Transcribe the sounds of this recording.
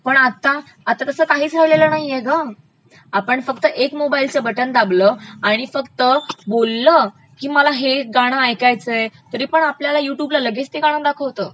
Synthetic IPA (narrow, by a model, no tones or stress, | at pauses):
pəɳat̪ːaː | t̪ːat̪əsəːkaɦiːt͡sɾəʋlelənaɦijeɡa | apəɳfəkt̪əʔekmobailt͡ɕebəʈənd̪abləaɽ̃ifəkt̪əbolːə | kiːməlaɦeɡaɽ̃əajkajt͡səet̪əɾiːpəɳapljalajuʈjublaləɡest̪iɡaɽ̃ə̃d̪akʰəʋt̪əː